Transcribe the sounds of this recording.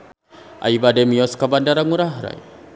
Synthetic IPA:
ʔa̰ibademiɔskabandaɾaŋuɾaɦɾa̰j

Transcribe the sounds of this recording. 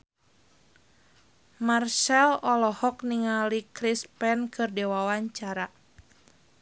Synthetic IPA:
marsɛlɔlɔhɔk̚niŋalikɾispɛnkɨrdɛwawaɲt͡ʃaɾa

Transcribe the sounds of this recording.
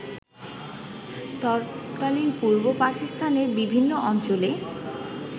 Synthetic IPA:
t̪ɔɾkalinpuɾbopakist̪ʰaneɾbibʱinːoʔɔnt͡ɕole

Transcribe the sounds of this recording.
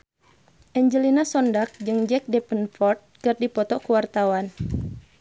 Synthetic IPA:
ʔɛɲd͡ʒəlinasɔndak̚d͡ʒɨŋd͡ʒɛk̚dɛpənfɔrt̪̚kɨrdipɔt̪ɔkuwart̪awan

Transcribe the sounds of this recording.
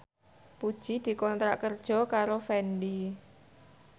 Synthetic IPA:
pud̥ʒ̥i̤d̪̥i̤kɔnt̪ɾaʔkərd̥ʒ̥ɔ̤kaɾofɛnɖi

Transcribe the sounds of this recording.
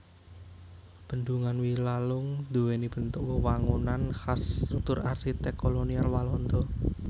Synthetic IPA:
b̥ə̤nd̪uŋanwilalʊŋd̪̥uwenib̥ə̤nt̪ʊʔwəwaŋunanhasrut̪ʊrarsit̪ɛkːolonialwalɔnd̪ɔ

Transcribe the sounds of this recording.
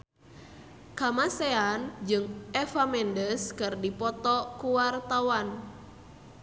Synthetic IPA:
kamaseand͡ʒɨŋɛfamɛndəskɨrdipɔt̪ɔkuwart̪awan

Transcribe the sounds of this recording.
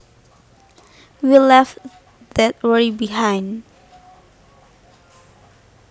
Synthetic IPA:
wilɛf | dɛt̚wɛɹibiɦãjn

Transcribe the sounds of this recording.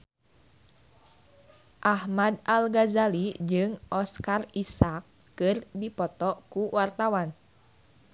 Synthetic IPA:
ʔahmadalɡazalid͡ʒɨŋʔɔskarisakː | ɨrdipɔt̪ɔkuwart̪awan

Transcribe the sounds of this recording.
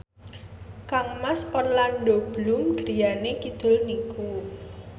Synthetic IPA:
kaŋmaspɔrlanɖob̥lʊmɡ̥ɾijanekid̪̥ʊ̤lniku

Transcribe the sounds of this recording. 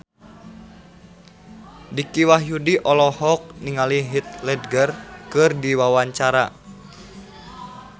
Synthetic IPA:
dikiwaɦjudiʔɔlɔhɔk̚niŋaliɦit̪̚lɛdɡərkɨrdiwawaɲt͡ʃaɾa̰

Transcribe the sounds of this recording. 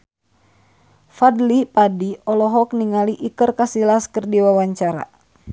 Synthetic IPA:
fadlipadiɔlɔɦɔk̚niŋaliʔikərkasilaskərdiwawaɲt͡ʃaɾa̰

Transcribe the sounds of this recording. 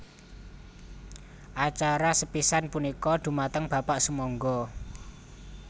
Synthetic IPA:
ʔat͡ʃaɾasəpisanpunikɔd̪̥ṳmat̪əŋb̥a̤paʔsəmɔŋɡɔ

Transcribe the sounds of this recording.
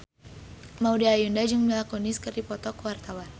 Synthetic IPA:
maudiajundad͡ʒɨŋmilakonɪskɨrdipɔt̪ɔkwart̪awan

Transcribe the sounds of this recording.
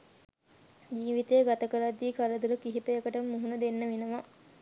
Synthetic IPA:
d͡ʒiːʋit̪ejəɡat̪əkəɾad̪ːiːkʰaɾəd̪uɾəkiɦipəjəkəʈəmːuɦunəd̪enːəʋenəʋa

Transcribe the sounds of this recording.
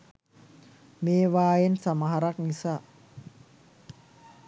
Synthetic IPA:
meːʋaːjensamaɦaɾak̚nisa

